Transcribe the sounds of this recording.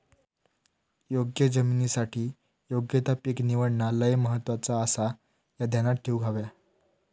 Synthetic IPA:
joɡjəd͡zəminisaʈʰiː | joɡjət̪apikniʋəɽɳaləjməɦət̪ːʋat͡saːsa | jad̪ʱjanat̪̚ʈʰiwɡʱaʋja

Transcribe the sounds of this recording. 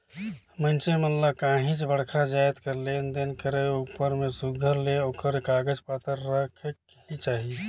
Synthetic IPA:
mənt͡ʃemənlakãːɦĩt͡ʃbəɽ̤kʰad͡ʒaːjt̪kəɾlend̪enkəɾəupəɾmẽsuɡʱəɾleoːkəɾkaːɡəd͡ʒpaːt̪əɾːəkʰək | ɦit͡ʃaːɦi

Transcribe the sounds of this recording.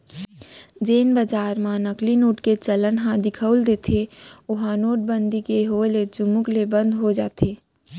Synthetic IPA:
d͡ʒeːnbəd͡ʒaːɾmãnəklinoːʈket͡ʃələnɦãd̪ɪkʰəld̪eːt̪ʰeʊɦãnoːʈ̚bənd̪ʱikeɦoeled͡ʒʊmʊklebə̃nd̪ɦod͡ʒaːt̪ʰeː

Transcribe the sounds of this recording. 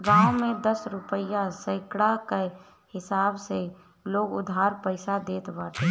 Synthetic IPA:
ɡãːõmẽd̪əsɾʊpəjasəɪkɽake | hɪsaːbse | loːɡʊ̰d̪ʱaːɾpəɪsad̪eːt̪baːʈʰ

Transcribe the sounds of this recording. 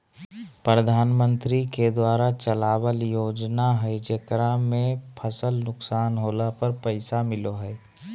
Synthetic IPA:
pɾəd̪ʱaːnmə̃nt̪ɾiked̪waːɾat͡ʃəlaːwəljoːd͡ʒnaɦəd͡ʒekɾamẽpʰəsəlnʊksaːnɦoːlapəɾpəɪsamɪloɦɛː

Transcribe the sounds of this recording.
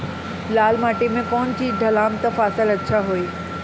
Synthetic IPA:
laːlmaːʈimẽkɔːnt͡ɕiːd͡ʑɖʱɐlaːmt̪ɐfaːsɪlɐtːʃʰaɦoeː

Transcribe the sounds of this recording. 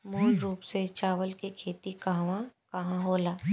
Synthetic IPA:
moːɾɾuːpset͡ʃaːʋəlkikʰeːt̪ikaɦʋãkɐɦãɦoːlaː

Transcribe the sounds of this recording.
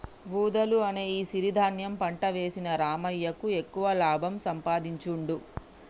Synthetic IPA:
ʋuːd̪ɐluɐne̞ːiːsiɾid̪ʱaːnjɐmpɐɳʈɐʋe̞ːsinɐɾaːmɐjːɐkue̞kːuʋɐlaːbʱɐmsɐmpaːd̪iɲt͡ʃuɳɖu

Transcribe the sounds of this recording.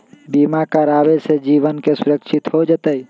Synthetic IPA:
biːmakaɾaːbesed͡ʒiːʋənkesʊɾəkʃʰɪt̪ɦod͡ʒət̪əi

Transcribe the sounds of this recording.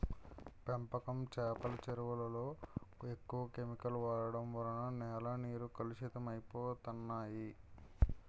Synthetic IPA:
pempɐkɐmt͡ʃɛːpɐlɐt͡ʃeɾuʋɐlɐlo̞ːekːuʋɐkemikɐluʋaːɾɐɽɐmʋɐɾɐnɐnɛːlɐniːɾukɐluʃit̪ɐmɐjipoːt̪ɐnːaːji

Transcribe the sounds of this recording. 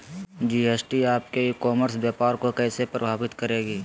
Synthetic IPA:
d͡ʒiːesʈiaːp̚kekɔːməɾsbjaːpaːɾkokɛːsepɾəbʱaːbɪt̪kəɾeːɡiː

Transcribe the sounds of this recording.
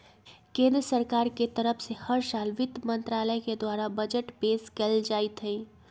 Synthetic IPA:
kẽːnd̪ɾəsəɾkaːɾket̪əɾəpʰsehəɾsaːlʋɪt̪mə̃nt̪ɾaːləjked̪waːɾabəd͡ʒəʈpeːskɛld͡ʒaːit̪ɦɛ̃i

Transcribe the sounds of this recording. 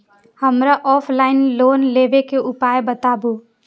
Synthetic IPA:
həmɾaʔɔːpʰlaːɪnloːnleʋekeʔʊpaːebət̪abu

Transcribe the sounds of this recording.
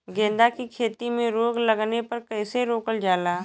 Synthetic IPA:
ɡẽːnd̪akikʰeːt̪imẽɾoːɡlɐɡnepɐɾkɛːseɾoːkəld͡ʒaːlaː

